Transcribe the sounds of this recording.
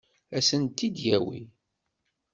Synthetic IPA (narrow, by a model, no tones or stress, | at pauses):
æsənt̪ːid̪jæwḭ